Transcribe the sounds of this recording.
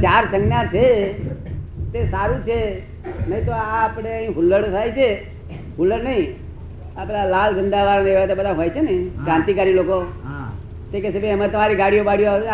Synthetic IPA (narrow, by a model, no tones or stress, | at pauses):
t͡ʃaɾsə̃ŋɡnjãt͡ʃʰe | t̪esaɾũt͡ʃʰe | nəɦĩt̪oaːpɽ̃eə̃ɦĩɦulːəɽt̪ʰajt͡ʃʰe | ɦulːəɽnəɦĩ | apelalalɡənd̪aʋaɾneeʋat̪ebəd̪ʱaɦojt͡ʃʰenəɦĩkɾãnt̪ikaɾiloko | t̪ekɛsebeəmat̪əmaɾiɡaɽijobaɽijo